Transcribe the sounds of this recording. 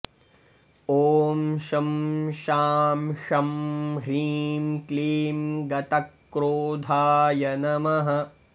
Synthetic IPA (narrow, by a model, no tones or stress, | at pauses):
oːmʃɐmʃaːmʃɐmɦiːmkliːmɡɐt̪ɐkːɾoːd̪ʱaːjɐnɐmɐɦɐ